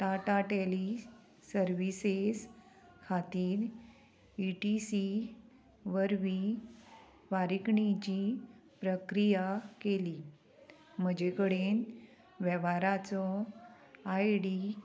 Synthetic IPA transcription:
ʈaʈaʈeli | səɾʋises | kʰat̪iːɾ | iʈisi | ʋəɾʋi | ʋaɾikɳit͡ɕipɾəkɾijakeli | m̤əd͡ʑekəɽen | ʋɛʋaɾat͡sɔ | ajɽi

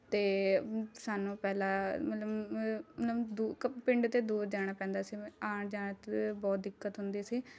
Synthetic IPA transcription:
t̪eːsaːnũːpɛːlaːmət̪ləbmət̪ləbd̪uːpɪɳɖt̪eːd̪uːɾd͡ʒaːɽ̃aːpɛ̃ːnd̪aːsiːaːɳd͡ʒaːɳt̪bɔːt̪̚d̪ɪkːət̪ɦʊnd̪iːsiː

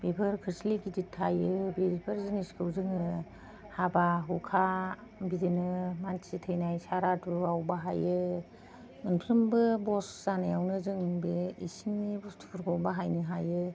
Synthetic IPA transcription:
b̥epʰɯɾkʰɾisliɡiditʰːajɯbepʰɯɾziniskʰɯwzɯŋɯ | habaɦukʰa | bidinɯmansitʰɯjnajsaɾatuawbaɦajɯ | ɯnpʰɾɯmbɯbɔszanajawnɯzɯŋbeḭsiŋnibɔstʰu̥kʰɯɾkʰɔwbaɦajnɯɦajɯ

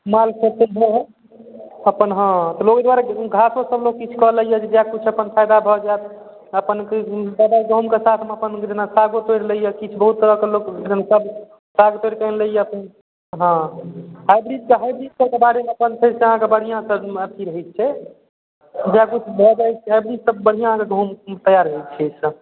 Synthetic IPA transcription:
malseseɦeɦɛ | əpənɦə̃t̪ɔloɡed̪waɾeɡʱasosəbloɡ̚kit͡ʃʰkɔləijɛd͡ʒʰed͡ʒakut͡ʃʰəpənpʰajd̪abʱɔd͡ʒajt̪ | əpənkeb̪əb̪aɡɔmkesat̪ʰmeəpənd͡ʒenasaɡot̪oɾləijɛkit͡ʃʰbəɦut̪̚ːəɾəkelokd͡ʒenasəb | saɡot̪oiɾkənleijeəpən | ɦə̃hajbɾid͡ʒkeɦajbɾid͡ʒsəkebaɾemeəpənpʰeɾseəɦãkebəɽ̤ijãsəbəpʰiɾəɦɛt̪̚t͡ʃʰɛ | d͡ʒeakut͡ʃʰbʱɔd͡ʒaɛt͡ʃʰɛɦajbɾid͡ʒsəbːəɽ̤ijãɦãkeɡʱomt̪əjaɾɦɛt̪t͡ʃʰɛsə

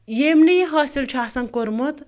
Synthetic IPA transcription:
jemnijɦɐsilt͡ʃʰaːsɐŋkoɾmut̪

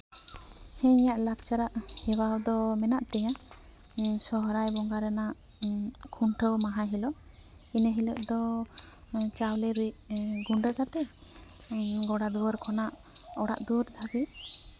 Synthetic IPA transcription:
hɛ̃jaʔlak̚t͡ʃaɾaʔhɛwawd̪ɔmɛnaʔt̪ɛjã | sɔɦɾajbɔŋɡaɾɛnaʔ | kʰuɳʈʰəwmaɦaɦilɔ | inəɦiləp̚d̪ɔ | t͡ʃawlɛɾiʔɡuɳɖəkat̪ɛ | ɡɔɽad̪uwəɾkʰɔnaʔ | ɔɽa̰ʔd̪uɾd̪ʰʱaɡi

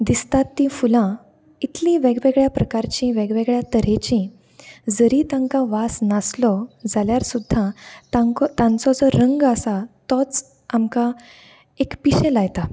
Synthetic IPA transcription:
d̪ist̪at̪ːĩfulã | it̪lĩʋeɡʋeɡɭjapɾəkaɾt͡ɕĩʋeɡʋeɡɭjat̪əɾet͡ɕĩ | d͡zəɾit̪ãŋkãʋasnaslɔd͡zaljaɾsud̪ʱːat̪aŋkɔt̪ãnt͡sɔt͡sɔɾəŋɡəsat̪ɔt͡s | amkã | ekpiɕẽlajt̪a

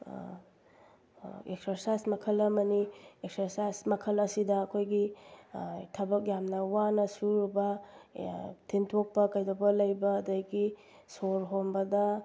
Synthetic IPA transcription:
ekseɾsajsmɐkʰɐlɐmɐnieksɐɾsajsmɐkʰɐlɐsidɐːkʰojɡi | tʰɐbɐk̬̚jamnɐwanɐsuɾubɐ | tʰintʰok̚pɐkɐjdɐbɐlɐjbɐːdɐɡi | soɾɦombɐdɐ

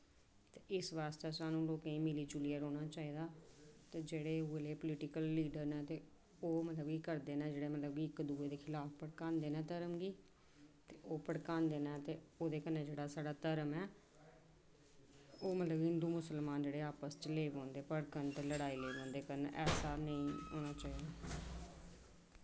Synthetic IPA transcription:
t̪eːʔɪsʋaːst̪eːsaːnũːloːkẽĩːmɪliːd͡ʒʊliːəɾoːɽ̃aːt͡ʃaːiːd̪aːt̪eːd͡ʒeːɽeːuːeleːpʊlɪʈɪkəlːiːɖəɾnɛ̃ːt̪eː | oːmət̪ləbɡiːkəɾd̪eːnɛ̃ːd͡ʒeːɽeːmət̪ləbɡiːɪkd̪uːeːd̪eːkʰɪlaːfʰpəɽkãːnd̪eːnɛ̃ːt̪əɾəmɡiː | t̪eːʔoːpəɽkaːnd̪eːnɛːt̪eːoːd̪eːkənẽːd͡ʒeːɽaːsaːɖaːt̪əɾəmɛː | oːmət̪ləbɪ̃nd̪uːmʊsəlmaːnd͡ʒeːɽeːaːpəst͡ʃleːbõːnd̪eːpəɽkənt͡ʃləɽaːiːleːbõːnd̪eːkənḛʔɛːsaːnəĩːɦo̰ːñaːt͡ʃaːiːd̪aː

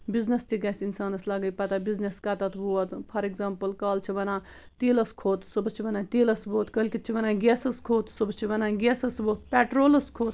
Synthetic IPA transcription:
biznest̪iɡɛːsinsaːnɐslɐɡɐjpɐt̪abizneskɐt̪ɐt̪ʰbuːɐt̪pʰɐɾeɡzaːmpɐlkaːlt͡ʃʰiʋɐnaː | t̪iːlɐskʰoːt̪subt͡ʃʰiʋɐnaːt̪iːlɐsboːt̪kɐlʲkʲit̪̚t͡ʃʰiʋɐnaːɡʲeːsɐskʰoːt̪subst͡ʃʰiʋɐnaːɡeːsɐsboːt̪̚pʲɛːʈɾoːlɐskʰoːt̪

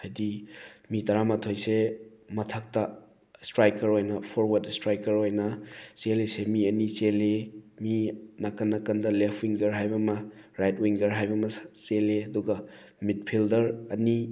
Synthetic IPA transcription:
hajdimitɐɾamɐtʰojsemɐtʰɐk̚tɐ | stɾajkɐɾojnɐpʰoɾwɐdstɾajkɐɾojnɐselesemiɐniseleminɐkɐnːɐkɐndɐlepʰwiŋɡɐɾɦajbɐmɐɾajt̚wiŋɡɐɾɦajbɐmɐseleɐduɡɐ | mit̚pʰildɐɾɐni

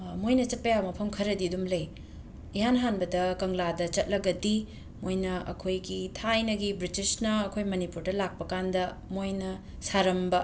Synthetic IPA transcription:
mojnɐt͡ʃɐt̚pɐjawmɐpʰɐmkʰɐɾɐdidumlɐj | iɦanɦanbɐdɐkɐŋladɐt͡ʃɐt̚lɐɡɐdi | mojnɐʔɐ̰kʰojɡitʰajnɐɡibɾitisnɐːkʰojmɐnipuɾdɐlak̚pɐkandɐ | mojnɐ | saɾɐmbɐ

